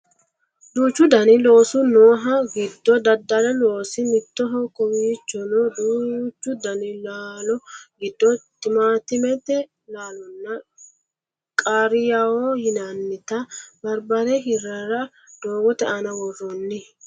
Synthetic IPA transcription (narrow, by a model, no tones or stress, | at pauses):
d̪uːt͡ʃːʊd̪ɐnɪlo̞ːsʊnoːɦɐɡɪd̪ːɔd̪ɐd̪ːɐɾɛlo̞ːsɪmɪt̪ːɔɦɔkɔwiːt͡ʃːɔnɔd̪uːt͡ʃːʊd̪ɐnɪlaːlɔɡɪd̪ːɔt̪ɪmaːt̪ɪmɛt̪ːɛ | laːlɔnːɐ | kʼaːɾɪjawohɪnɐnːɪt̪ɐbɐɾbɐɾɛɦɪɾɛɾɐ | d̪̥oːwɔt̪ɛʔɐnɐwɔrːɔnːɪ